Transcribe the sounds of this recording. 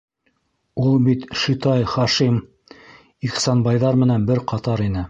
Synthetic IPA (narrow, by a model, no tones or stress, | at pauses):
ulˠbit̪ʃit̪ɑjχɑʃim | iχsɑnbɑjðɑɾmɘ̆nænbɘɾqɑt̪ɑɾinɘ